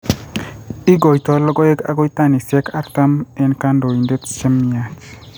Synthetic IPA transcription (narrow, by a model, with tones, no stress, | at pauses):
i˦ɡo˨jt̪ɔ˨lɔ˦ɡɔ˦e˦ɡa̰˦ɡɔ˦jt̪a˦ni˨sɛ˦ka˦ɾt̪a˦mɛ˦nka˦ndo˨i˨nde˦t̪t͡ʃɛ˦mja˨t͡ʃ